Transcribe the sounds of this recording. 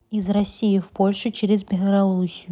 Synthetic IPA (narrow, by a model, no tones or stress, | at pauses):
izrɐsʲːijɪfpo̞lʲʂɨt͡ɕeɾʲɪzbʲɪlˠɐlusʲɪjʊ